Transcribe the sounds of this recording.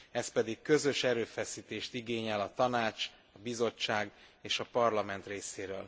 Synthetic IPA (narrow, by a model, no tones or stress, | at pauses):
ɛspɛd̪ikkø̞zø̞ʃɛɾøːfɛsiːt̪eːʃt̪iɡeːɲɛlɒt̪ɒnaːt͡ʃ | ɒbizo̞t͡ʃːaːɡeːʃɒpɒrlɒmɛnt̪reːseːɾøːl